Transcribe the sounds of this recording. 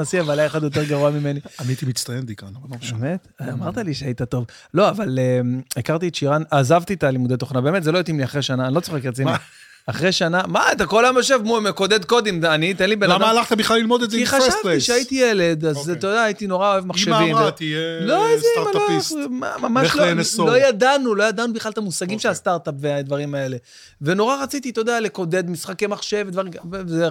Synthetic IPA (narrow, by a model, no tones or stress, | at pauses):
asiavalajeχad̪jo̞t̪̬eʁɡaʁuamime̞nianiait̪imit͡st̪ajemd̪ikanamemet̪amaʁt̪aliʃeait̪at̪o̞v | lo̞avaleekaʁt̪ietʃiʁanazavt̪it̪alimud̪et̪o̞χnabe̞ːme̞t̪zeloot̪imliaχʁeʃanaːnilo̞t͡soχekʁet͡sini | aχʁeʃanamaat̪akolamjoʃ̬evmumeko̞d̪e̞d̪ko̞d̪emanit̪enlibenlamaːlaχt̪abiχlalːilmod̪etzekiχaʃavt̪iʃeajit̪ijele̞d̪azt̪od̪aːjit̪ino̞ʁaoevmaχʃevimt̪ijeloiamaloisma̰mamaʃloslojad̪anulo̞jad̪anubiχlalt̪amusaɡimʃelast̪aʁt̪apvead̪vaʁimae̞le̞ | ve̞no̞ʁaʁat͡sit̪it̪od̪aleko̞d̪e̞d̪misχakemaχʃe̞ved̪vaʁimze